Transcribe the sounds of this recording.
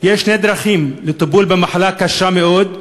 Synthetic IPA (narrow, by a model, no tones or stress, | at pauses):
jeʃːned̪ɾaχimlet̪abulbemaħalakaʃameo̞d̪